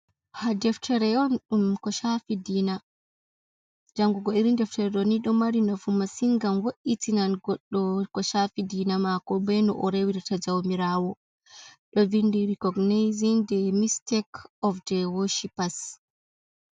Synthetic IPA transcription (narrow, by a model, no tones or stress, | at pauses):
hadɛftʰɛɾɛɔnɗumkɔʃafidina | d͡ʒaŋɡuɡɔiɾindɛftɛɾɛɗɔniɗɔmaɾinafumasiŋɡamwoʔitinanɡɔɗːɔkɔʃafidinamakɔbɛnɔʔɔɾewiɾtad͡ʒawmiɾaːwɔ | ɗɔvindiɾikɔɡnejzindɛmistɛkʰɔfdɛwɔʃipas